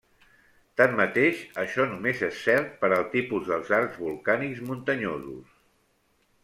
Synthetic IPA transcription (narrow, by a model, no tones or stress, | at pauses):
t̪amːət̪eʃəʃɔnumezesːɛɾt̪̚pəɾəlˠt̪ipuzðəlˠzaɾzβulˠkanikzmunt̪əɲozṵs